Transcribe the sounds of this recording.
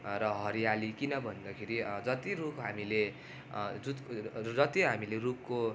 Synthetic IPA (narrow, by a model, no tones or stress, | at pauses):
ɾʌɦʌɾijalikinʌbʱʌnd̪akʰeɾid͡zʌt̪irupɦamile | d͡zut̪d͡zʌt̪iɦamilerup̚ko